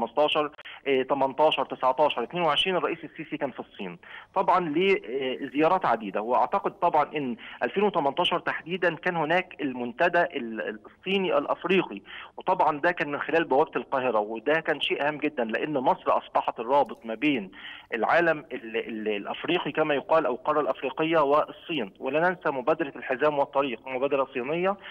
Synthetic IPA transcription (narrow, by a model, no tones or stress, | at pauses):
mɑst̪ˤɑːʃɑɾˤt̪æmɑnt̪ˤɑːʃɑɾˤt̪ɪsʕt̪ˤɑːʃɑɾˤʔet̪neːnweʕeʃɾiːnerˤːɑʔiːsesːiːsikæːnfisˤːḭːnt̪ˤɑbʕɑnleːzejɑːɾˤɑːt̪ʕad̪iːd̪æweʔɑ̰ʕt̪ɑqed̪̚t̪ˤɑbʕɑnʔɪnːʔælfeːnwet̪æmɑnt̪ˤɑːʃɑɾˤt̪aħd̪iːd̪ænkæːnhonæːkelmʊnt̪æd̪æʔesˤːiːniʔæ̰wlʔæfɾiːqiwet̪ˤɑbʕɑnd̪ækæːnmɪnxelæːlbæwæb̚t̪elqɑːɦɪɾæwed̪ækæːnʃeːʔæhæmːɡed̪ːænleʔenːmɑsˤɾʔɑ̰sˤbɑħɑt̪rˤːɑːbet̪ˤmæbeːnʔelʕaːlæmellʔæfɾiːqikæmæjoqɑːlʔæwlqɑrˤːɑlʔæfɾiːqejːɑweʔsˤːiːnwelænænsæmobæːd̪ɑɾˤɑlħezæːmwɑt̪ˤːɑɾiːqmobæːd̪ɑɾɑsˤːiːnejːɑ